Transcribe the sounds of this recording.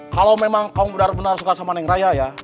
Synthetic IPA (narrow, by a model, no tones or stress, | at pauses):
kalawmemaŋkauŋbənarbənarsukasamanɛŋrajaja